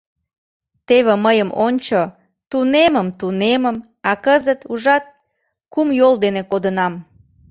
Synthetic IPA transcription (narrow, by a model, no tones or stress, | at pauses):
t̪eβeməjəmonʲt͡ɕo | t̪uneməmt̪uneməm | ɑkəzət̪uʒɑt̪̚ | kumjold̪enekod̪ənɑm